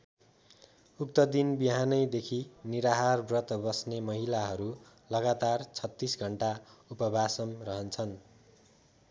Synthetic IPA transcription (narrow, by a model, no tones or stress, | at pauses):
uk̚t̪ʌd̪inbiɦanʌjd̪ekʰiniɾaɦarbrʌt̪bʌsnemʌɦilaɦʌɾu | lʌɡat̪art͡sʰʌt̪ːisɡʱʌɳʈaupʌbʱasʌmrʌɦʌnt͡sʰʌn